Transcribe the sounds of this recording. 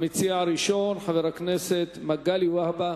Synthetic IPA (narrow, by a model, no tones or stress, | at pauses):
mit͡siaʕɾiʃo̞nħaveɾakneset̪maɡaliwahba